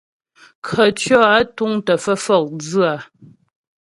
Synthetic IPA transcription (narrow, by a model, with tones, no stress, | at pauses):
kʰə˨tɔ˦a˦tu˦ŋtə˨fə˦fɔ˦˨k̚d͡zɨ˦a˨